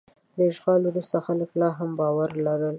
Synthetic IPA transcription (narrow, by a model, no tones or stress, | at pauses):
d̪əɪʃɣɑlwɾust̪axaləklɑɦambɑwaɾlaɾəl